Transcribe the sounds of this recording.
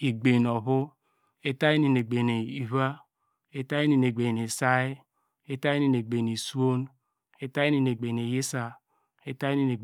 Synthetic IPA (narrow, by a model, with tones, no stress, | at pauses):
i˨ɡ͡be˨n˨ɔ˨βʊ˦ | e˦ta˦i˦ni˨ne˨ɡ͡be˨ne˨i˨βa˦ | e˦ta˦ji˦ni˨ne˨ɡ͡be˨ne˨sa˦e˦ | e˦ta˦i˦ni˨ne˨ɡ͡be˨ni˨su˦o˦n | e˦ta˦i˦ni˨ne˨ɡ͡be˨ne˨je˦sa˨ | e˦ta˦i˦ni˨ne˨